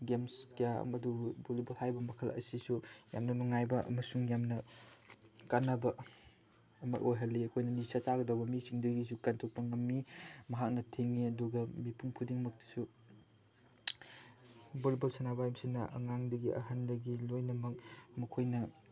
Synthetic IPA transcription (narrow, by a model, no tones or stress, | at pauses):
ɡemskija̰mɐdubolibɐlhajbɐmɐkʰɐlɐ̰sisuja̰mnɐnuŋajbɐɐ̰mɐsuŋjamnɐ | kanːɐbɐ | ɐma̰jʔojɦɐlːiɐkʰojnɐnisat͡ʃaɡɐdɐwbɐmisiŋdɐɡis̬ukantʰok̚pɐŋɐmːimɐɦak̚nɐtʰeŋiɐduɡɐmipʰuŋpʰudiŋmɐk̚ti̥su | bolibɐlsanabajmsinːɐʔɐ̰ŋaŋdɐɡiʔɐ̰ɦɐndɐɡilojnɐmɐk̚mɐkʰojnɐ